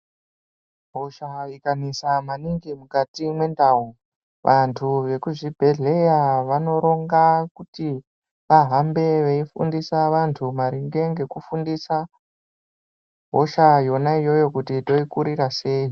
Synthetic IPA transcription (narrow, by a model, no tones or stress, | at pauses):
ɦo̞ʃaikanisamaniŋɡimukatimwe̞ndaɦu | ʋʔantʰuʋe̞kuʐibʱe̞ɮe̞jaʋano̞ɾo̞ŋɡakuti | ʋaɦambe̞ʋeifṵndisaʋantʰumaɾiŋɡe̞ŋɡe̞kufundisa | ɦo̞ʃajo̞naijo̞jo̞kutito̞ikuɾirase̞ːi